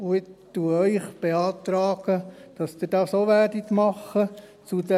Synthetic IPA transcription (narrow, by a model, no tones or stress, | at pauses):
uɪtːuəœʏχb̥eɑːt̪ɾɑːɡ̥əd̥ɑsd̥̪ɪd̥ɑːsoːʋæːdit̪mɑχːə | t͡sudɛ